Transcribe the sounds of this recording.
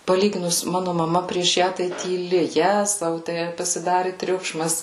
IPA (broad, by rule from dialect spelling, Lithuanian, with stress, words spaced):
pɐˈlʲiːɡʲɪnʊs ˈmɑːnʊ mɐˈmɐ pʲrʲiɛʃ ˈjæː tɐɪ tʲiːˈlʲɪ ˈjæːzɐʊ tʲæː pɐsʲɪˈdɑːrʲɪ ˈtʲrʲʊkʃmɐs